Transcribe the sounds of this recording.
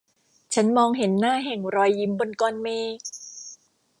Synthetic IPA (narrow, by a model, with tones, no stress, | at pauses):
t͡ɕʰa˦˥nmɔː˧ŋɦe˩˦nːaː˥˩ɦɛ˨˩ŋɾɔː˧jːi˦˥mbo˧nkɔː˧nmeː˧